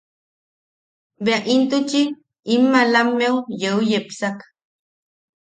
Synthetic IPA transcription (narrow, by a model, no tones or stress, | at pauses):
beaʔint̪ut͡ʃiː | mːalamːewjeujepsak